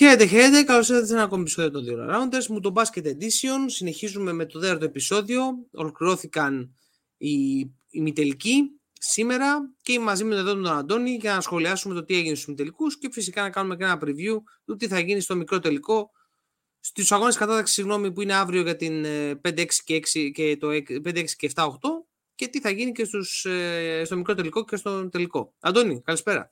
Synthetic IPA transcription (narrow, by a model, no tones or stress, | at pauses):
çe̞ɾet̪e̞çe̞ɾet̪e̞kɐlo̞siðesenɐko̞mepiso̞ðiot̪o̞nðio̞lɐ̰ɾɐond̪ezmut̪obɐscet̪ed̪isio̞nsine̞çizume̞me̞t̪o̞ðeɐɾt̪oe̞piso̞ðio̞o̰lo̞kliɾo̞θikɐn | iː | mit̪e̞lici | sime̞ɾɐceimɐzime̞t̪ðo̞t̪ont̪onɐnd̪o̞niʝɐnɐsxo̞liɐsume̞t̪o̞t̪ieʝinest̪u̥zmit̪elikusce̞fisikɐnɐkɐnume̞kenɐpɾivju | t̪ut̪iθɐʝinist̪o̞mikɾo̞t̪e̞liko̞ | st̪usɐɣo̞neskɐt̪ɐt̪ɐksi̥siɣno̞mipuine̞ɐvɾioʝɐt̪inpe̞nd̪eeksi̥ceeksicet̪oepend̪eeksi̥ceːft̪ɐo̞xt̪o̞ | ce̞t̪iθɐʝinice̞st̪usst̪o̞mikɾot̪e̞liko̞ce̞st̪o̞t̪e̞liko̞ɐ̰nd̪o̞nikɐlispe̞ɾɐ̰